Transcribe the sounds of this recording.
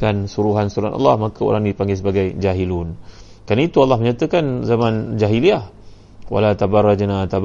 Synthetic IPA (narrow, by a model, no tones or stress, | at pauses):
kansuɾuɦansuɾuhanʔa̰lːɑ̰hmakəo̰ɾaŋnidipaŋɡɪs̬əbaɡajd͡ʒaɦilun | kanəit̪ualːahməɲat̪əkanzamãnd͡ʒaɦiliah | wa̰lat̪abarˤːad͡ʒnat̪ab